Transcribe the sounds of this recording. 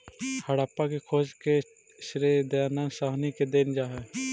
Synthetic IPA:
həɽaːpakekʰoːd͡ʒke | ʃɾeːd̪jaːnansaːɦniked̪eːnd͡ʒaːɦɛː

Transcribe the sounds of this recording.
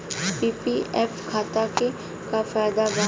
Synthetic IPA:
piːpiɛfkʰaːt̪ake | kafaːjd̪aba

